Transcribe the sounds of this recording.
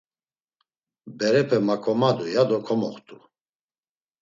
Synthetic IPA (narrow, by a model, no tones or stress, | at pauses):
bɛɾɛpʰɛmakʰɔmad̪ujad̪ɔkʰɔmɔ̰χt̪ʰʼu